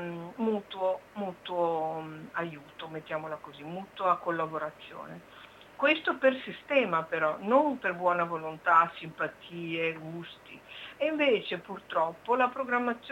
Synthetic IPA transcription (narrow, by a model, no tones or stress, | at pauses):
muːt̪uomuːt̪uoajuːt̪omet̪ːjaːmolakozimuːt̪uakolːaboɾat̪sːjo̰ːne | kwest̪opersist̪ɛːmapeɾɔnomperbwɔːnavolont̪asimpat̪ʰiːeɡust̪ḭeiɱveːt͡ʃepurt̪ɾɔpːolapɾoɡɾamːat̪sː